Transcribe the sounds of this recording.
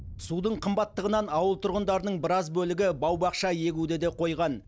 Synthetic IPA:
sud̪əɴqʰəmbɑt̪ːəʁənɑnɑwəlˠt̪ʰʊɾʁənd̪ɑɾənəɴbɪɾɑzbɵlɪɡʲɪbɑwbɑqʃɑje̞ɡʲud̪ed̪e̞qʰo̞jʁɑn

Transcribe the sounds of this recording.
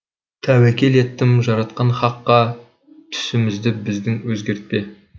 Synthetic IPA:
t̪ʰæwækʲe̞le̞t̪ːɪmʒɑɾɑt̪̚qɑnχɑqːɑ | t̪ʰʏ̥sɪmɪzd̪ɪbɪzd̪ɪŋwɵzɡʲe̞ɾt̪̚pe

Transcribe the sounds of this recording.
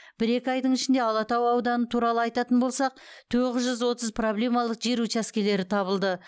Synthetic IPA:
b̥ɪɾe̞kʲɪɑjd̪əɴɪʃɪnd̪e̞ɑlˠɑt̪ɑwɑwd̪ɑnət̪ʰuɾɑlˠəɑjt̪ɑt̪ənbo̞lˠsɑq̚ | t̪ʰoʁɪzʒʏzwo̞t̪əzpʰro̞blʲe̞mɑlˠəqʒeɾut͡ʃæskʲe̞le̞ɾɪt̪ʰɑβəlˠd̪ə

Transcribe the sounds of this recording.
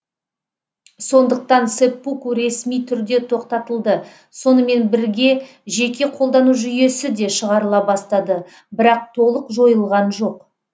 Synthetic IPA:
so̞nd̪əq̚t̪ɑnsepːukuɾe̞smijt̪ʰʏɾd̪e̞t̪ʰo̞qt̪ɑt̪əlˠd̪ə | so̞nəme̞nbɪɾɡʲe̞ | ʒe̞kʲʰe̞qʰo̞lˠd̪ɑnuʒʏje̞sɪd̪e̞ʃəʁɑɾəlˠɑbɑst̪ɑd̪ə | bɪɾɑq̚t̪ʰo̞lˠəqʒo̞jəlˠʁɑnʒo̞q

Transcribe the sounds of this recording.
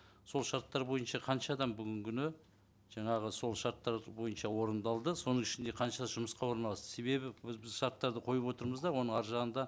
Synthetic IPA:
so̞lˠʃɑɾt̪ːɑɾbo̞jənʃɑqʰɑnʃɑːd̪ɑmbʏɡʲɪŋkʲʰʏnɪ | ʒ̥ɑɴɑʁəso̞lˠʃɑɾt̪ːɑɾbo̞jənʃɑwo̞ɾənd̪ɑlˠd̪əso̞nəŋɪʃɪnd̪e̞qʰɑnʃɑd̪ɑʒʊməsqɑwo̞ɾnɑlˠɑst̪ə̥se̞βe̞bɪbɪzbɪzʃɑɾt̪ːɑɾd̪əqʰo̞jupwo̞t̪əɾməzd̪ɑwo̞nəɴɑɾʒɑʁənd̪ɑ

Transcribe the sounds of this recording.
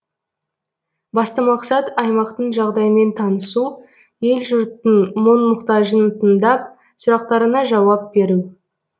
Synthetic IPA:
bɑst̪əmɑqsɑt̪ɑjmɑqt̪əɴʒɑʁd̪ɑjəme̞nt̪ʰɑnəsu | je̞lʒʊɾt̪ənmonmʊqt̪ɑʒənt̪ʰənd̪ɑp̚ | sʊɾɑqt̪ɑɾənɑʒɑwɑp̚be̞ɾu

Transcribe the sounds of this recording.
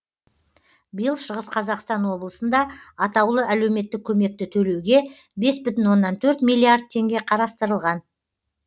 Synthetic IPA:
bijəlˠʃəʁəsqʰɑzɑqst̪ɑnwo̞blˠəsənd̪ɑɑt̪ɑwlˠəʔælewme̞t̪ːɪk̚ʲʰɵme̞k̚t̪ɪt̪ʰɵle̞wɡʲe̞ | be̞sbʏt̪ɪnwo̞nːɑnt̪ʰɵɾt̪mijlʲˠːiard̪̚t̪ʰe̞ŋɡʲe̞qʰɑɾɑst̪əɾəlˠʁɑn

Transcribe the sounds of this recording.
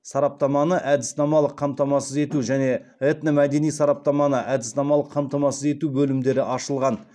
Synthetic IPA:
sɑɾɑp̚t̪ɑmɑnəʔæd̪ɪsnɑmɑlˠəqʰːɑmt̪ɑmɑsəze̞t̪uʒæne̞et̪nəmæd̪e̞nijsɑɾɑp̚t̪ɑmɑnəʔæd̪ɪsnɑmɑlˠəqʰːɑmt̪ɑmɑsəze̞t̪ubɵlɪmd̪e̞ɾɪʔɑʃəlˠʁɑn

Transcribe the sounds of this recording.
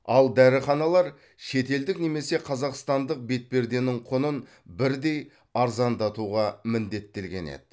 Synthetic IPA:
ɑlˠd̪æɾɪχɑnɑlˠɑɾ | ʃe̞t̪e̞ld̪ɪkne̞me̞se̞qʰɑzɑqst̪ɑnd̪əq̚be̞t̪̚pe̞ɾd̪e̞nɪŋqʰonən | bɪɾd̪e̞j | ɑɾzɑnd̪ɑt̪uʁɑmɪnd̪e̞t̪ːe̞lɡʲe̞̰nḛd̪̥ɪ

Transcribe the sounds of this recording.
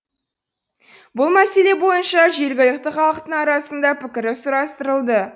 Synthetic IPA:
bʊlˠmæse̞le̞bo̞jənʃɑʒe̞ɾɡʲɪlɪk̚ʲt̪ɪχɑlˠəqt̪əɴɑɾɑsənd̪ɑpʰɪkʲɪɾɪsʊɾɑst̪əɾəlˠd̪ə

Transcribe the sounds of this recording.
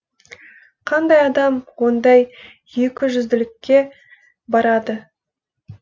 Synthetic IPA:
qʰɑnd̪ɑjɑd̪ɑmwo̞nd̪ɑj | je̞kʲɪʒʏzd̪ɪlɪkʲːe̞ | bɑɾɑd̪ə

